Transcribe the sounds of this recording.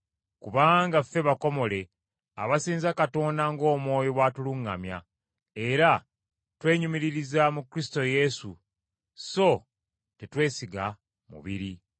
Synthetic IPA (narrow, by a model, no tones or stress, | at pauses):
kuβaːŋɡafːe̞βako̞mo̞le̞ | a̰βasiːnzakato̞ːndaŋɡo̞ːmwo̞ːjoβwatuluŋːa̰mja̰ | e̞ɾa | twe̞ːɲumiɾiɾizamukɾisto̞je̞sṵ | so̞ | te̞twe̞ːsiɡa̰ | mṵβḭɾi